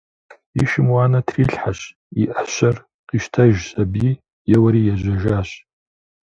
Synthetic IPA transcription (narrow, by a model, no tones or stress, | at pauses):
iʃɪmwanatʰriɬħaʃ | iʔaʃʷar | qiʃtʰaʒzabi | jawaɾijaʒʷaʒaʃ